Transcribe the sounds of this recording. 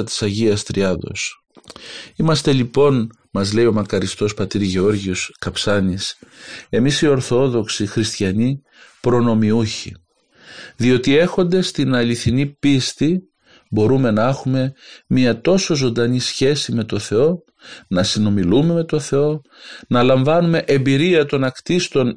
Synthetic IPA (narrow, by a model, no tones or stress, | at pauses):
ɐt̪i̥sɐʝiɐst̪ɾiɐðo̞̰s | imɐst̪e̞lipo̞n | mɐzle̞io̞mɐkɐɾist̪o̞spɐt̪iɾʝeo̞ɾʝioskɐpsɐnise̞misio̞ɾθo̞ðo̞ksixɾist̪çɐni | pɾo̞no̞miuçḭ | ðio̞t̪ie̞xo̞nd̪e̞st̪inɐliθinipist̪i | bo̞ɾume̞nɐexume̞miɐt̪o̞so̞zo̞nd̪ɐnisçe̞sime̞t̪o̞θe̞o̞ | nɐsino̞milume̞me̞t̪o̞θe̞o̞ | nɐlɐɱvɐnume̞ʔe̞mbiɾiɐt̪o̞nɐkt̪ist̪o̞n